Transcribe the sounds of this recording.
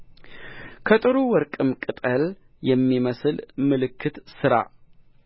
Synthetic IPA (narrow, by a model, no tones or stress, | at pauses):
kʰət̪ʼɨɾuwɔɾkʼɨmkʼɨt̪ʼəl | jɛmːiməslmɨlɨkʰːɨt̪sɨɾa̰